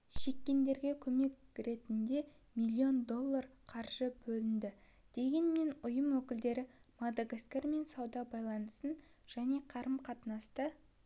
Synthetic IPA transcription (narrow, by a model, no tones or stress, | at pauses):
ʃe̞kʲːe̞nd̪e̞ɾɡʲe̞kʲʰɵme̞k̚ʲɾe̞t̪ɪnd̪e̞ | mijlʲːio̞nd̪o̞lˠːarqʰɑɾʒ̥əbɵlɪnd̪ɪ | d̪̥e̞ɡʲe̞nme̞nʊjəmwɵkʲɪld̪e̞ɾɪmad̪aɡaskʲeɾme̞nsɑwd̪ɑbɑjlˠɑnəsən | ʒ̥æne̞qʰɑɾəmqʰɑt̪ənɑst̪ə